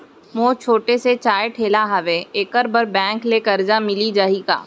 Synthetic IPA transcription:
moːt͡ʃʰoːʈeset͡ʃaːjʈʰeːlaɦɐʋeeːkəɾbəɾbɛ̃ːŋklekɐɾd͡ʒamɪlid͡ʒaiɡa̰ː

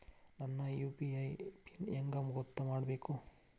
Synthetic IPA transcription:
nɐnːɐjuːpiɐjpineŋɡɐmɡɔt̪ːɐmaːɽbeːku

